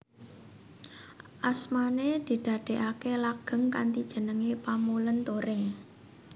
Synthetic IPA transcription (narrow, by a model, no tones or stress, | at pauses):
ʔasmaned̪̥i̤d̪̥ä̤ɖ̪̥e̤ʔakelaɡ̥ə̤ŋkant̪id̥ʒ̥ə̤nəŋepamulənt̪oɾɪŋ